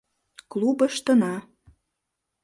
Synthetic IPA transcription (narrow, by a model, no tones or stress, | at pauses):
klˠubə̆ʃt̪ə̆nɑ